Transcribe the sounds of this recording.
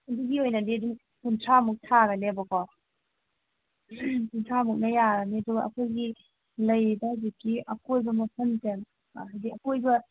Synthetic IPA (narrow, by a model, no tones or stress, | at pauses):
ɐduɡiojnɐdiɐduŋ | kuntʰɾamuk̚tʰaɡɐnebɐkɔ | kuntʰɾamuk̚nɐjaɡɐneɐduɡɐɐ̰kʰojɡi | lɐjbɐhzikːiʔɐkʰojbɐmɐpʰɐntem | ɦajziɐkojbɐ